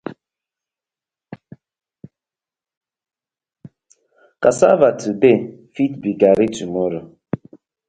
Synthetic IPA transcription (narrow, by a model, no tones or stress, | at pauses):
kasa̰vatʰɨbefit̚biɡaɾitumoɾə